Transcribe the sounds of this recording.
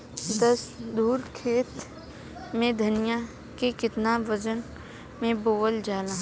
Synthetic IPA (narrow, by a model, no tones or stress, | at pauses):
d̪ɐsd̪uːɾkʰeːt̪ | mẽd̪ʱɐnija | kekɪt̪naʋəd͡ʒən | mẽboːəld͡ʒaːlaː